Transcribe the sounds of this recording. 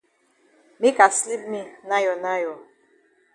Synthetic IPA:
mi˦ka˨sli˦p̚mi˦na˦jɔ˨na˦jɔ˨

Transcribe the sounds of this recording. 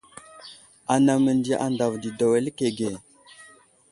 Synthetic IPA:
a˨na˨mə˨ndi˨ʔa̰˨nda˨vdi˨da˨we˨lke˨ɡe˨

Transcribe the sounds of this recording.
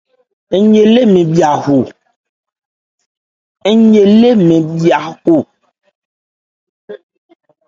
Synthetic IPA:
e˨ɲe˨le˦mẽ˨bi˨a˨ɦo˨ | e˦ɲe˨le˦mẽ˨bi˨a˨ho˨

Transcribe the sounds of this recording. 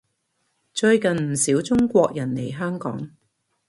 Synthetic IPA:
t͡ʃɵ˧ɥkɐ˨nm̩˨˩siː˨˥wt͡sʊ˥ŋkʷɔː˧k̚jɐ˨˩nle˨˩jɦœː˥ŋkɔ̰ː˨˥ŋ

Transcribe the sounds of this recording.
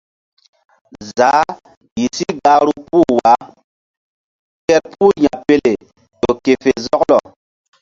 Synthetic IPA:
za˨˦ | ji˨si˦ɡa˦ɾu˦pu˦wa˦ | kɛ˦t̚pʰu˦ɲa˨pe˦le˨ | tɔ˨ke˨fe˨zɔ˦klɔ˨

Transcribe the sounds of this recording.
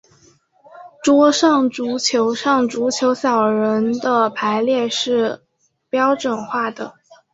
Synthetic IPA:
ʈ͡ʂwɔ˥ʂɑ˥˩ŋʈ͡ʂu˧˥t͡ɕʰjo˧˥ʊʂɑ˥˩ŋʈ͡ʂu˧˥t͡ɕʰjo˧˥ʊɕjɑ˨˩ʊɻə˧˥nd̪ə˧pʰa˧˥ɪljɛ˥˧ʂɻ̩˥˩ | pjɑ˥ʊʈ͡ʂwə˨˩nxwa˥˩d̪ə̰˩

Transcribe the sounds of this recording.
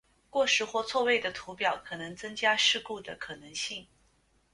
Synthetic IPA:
kwɔ˥˧ʂɻ̩˥˧xwɔ˥˧t͡sʰwɔ˥˧we˥˩ɪd̪ə˩t̪ʰu˧˥pjɑ˨˩ʊkʰɤ˨˩nɤ˧˥ŋt͡sɤ˥ŋt͡ɕja˥ʂɻ̩˥˧ku˥˩d̪ə˩kʰɤ˨˩nɤ˧˥ŋɕi˥˩ŋ

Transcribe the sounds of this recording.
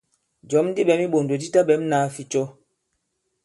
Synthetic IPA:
d͡ʒɔ˨˦mn˦di˦ɓɛ˨˦mi˦ɓo˨ndo˨di˦ta˦ɓɛ˨˦m˦naː˨˦fi˦t͡ʃɔ˦

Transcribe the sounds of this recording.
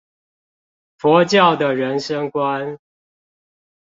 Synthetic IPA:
fɔ˧˥t͡ɕjɑ˥˩ʊd̪ə˨˩ɻə˧˦nʂə˦ŋkwa˦n

